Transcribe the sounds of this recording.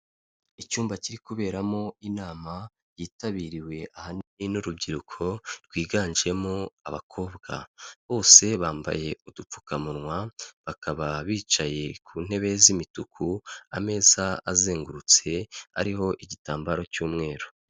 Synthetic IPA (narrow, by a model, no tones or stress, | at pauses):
icuːmbaciɾikuβe̞ːɾamo̞inaːma | jiːtaβiːɾiwe̞ahaniinuɾub̚ɟiɾukʰo̞ɾɡwiːɡaːɲd͡ʒie̞moaβa̰kʰo̞ːbɡa̰βo̞ːse̞βaːmba̰je̞udup͡fu̥kamuɾŋwaβakaβaβiːt͡ʃaje̞kʰuːn̥he̞βe̞zimitukʰua̰me̞ːzaːze̞ːŋɡuɾut͡se̞a̰ɾiɦo̞ʔiɟitaːmbaɾo̞cuːmŋe̞ːɾo